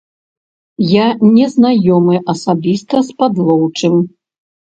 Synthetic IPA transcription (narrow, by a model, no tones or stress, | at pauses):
janʲɛznajɔmɨʔɐsabʲist̪ɐspad̪lˠɔwt͡ʂɨm